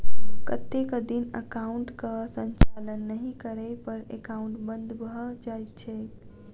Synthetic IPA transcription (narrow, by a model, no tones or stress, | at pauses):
kət̪ekəd̪inəkauɳʈkəsə̃nt͡ʃalənːəɦĩkəɾɛpəɾḛkauɳʈbənd̪ʱbd͡ʒajt̪̚t͡ʃʰɛ